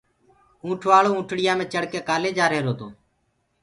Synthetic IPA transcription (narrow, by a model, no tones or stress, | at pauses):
ũːʈʰʋaːɭoːũːʈʰɽɪjãːmẽːt͡ʃəɽkeːkaːleːd͡ʒaːɾeːɾoːt̪oː